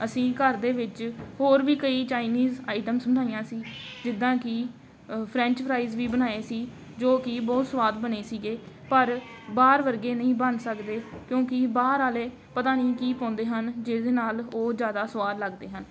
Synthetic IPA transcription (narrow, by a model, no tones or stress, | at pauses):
əsĩːkəɾd̪eːʋɪt͡ʃhoːɾʋiːkəiːt͡ʃaːɪniːzaːɪʈəmsbənaːijãːsiːd͡ʒɪd̪ːãːkɪ | pʰɾɛ̃ːɲt͡ʃpʰɾaːizʋiːbənaːeːsiː | d͡ʒoːkɪbɔːt̪səʋaːd̪bəneːsiːɡeː | pəɾ | baːɾʋəɾɡeːnəɦĩːbənsəkd̪eːkjõːkɪbaːɾaːleː | pət̪aːnĩːkiːpɔ̃ːnd̪eːɦənd͡ʒed̪eːnaːloːd͡ʒjaːd̪aːsʋaːd̪ləɡd̪eːɦən